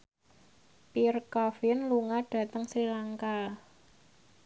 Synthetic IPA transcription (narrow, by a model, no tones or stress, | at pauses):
pirkɔfɪnluŋaɖ̥ä̤t̪əŋsilaŋka